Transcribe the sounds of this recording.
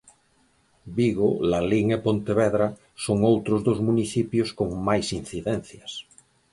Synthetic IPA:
biɣolaliŋepont̪eβeðɾa | soŋowt̪ɾozðozmuniθipjoskoŋmajsin̟θiðen̟θjas

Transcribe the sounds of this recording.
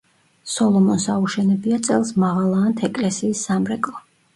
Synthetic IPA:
sɔlˠɔmɔnsauʃɛnɛbiat̪sʼɛlˠsmaʁalˠaːnt̪ʰɛkʼlɛsiːsːamɾɛkʼlˠɔ

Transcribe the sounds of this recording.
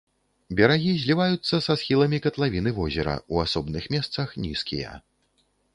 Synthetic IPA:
bʲɐɾaɣʲizʲlʲivajut̪sːɐsasxʲilˠɐmʲikɐt̪lˠavʲinɨvɔzʲɛɾɐ̰uasɔbnɨxmʲɛst̪sɐxnʲiskʲḭjɐ̰

